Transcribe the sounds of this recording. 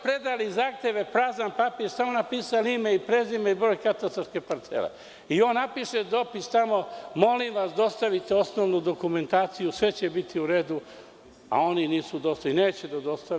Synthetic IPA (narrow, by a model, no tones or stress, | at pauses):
pɾed̪alizaːxt̪eʋe̞pɾaːzanpapiʃt̪amonapiːsalimeipɾe̞zimeibɾo̞ːjkat̪ast̪ɾaɾske̞paɾt̪sḛlḛ | io̞ːnːapiʃed̪o̞pist̪amo̞mo̞limʋasd̪o̞st̪aʋit̪eo̞sno̞ʋnud̪o̞kume̞nt̪aːt̪sijusʋe̞t͡ɕebit̪ʰiuɾe̞ːd̪u | a̰o̞niniːsud̪o̞st̪aineːt͡ɕed̪ad̪o̞st̪a